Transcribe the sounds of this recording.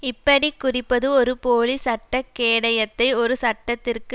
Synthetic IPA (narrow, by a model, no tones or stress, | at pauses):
ɪpːɐɽikːʊrɪpːɐðɯɔɾɯpoːɭisɐʈːɐkːeːɽɐjɐt̪ːɐɪɔɾɯsɐʈːɐt̪ːɪrkɯ